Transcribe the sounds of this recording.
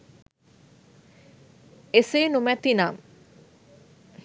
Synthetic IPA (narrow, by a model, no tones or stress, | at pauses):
esejnumɛt̪inam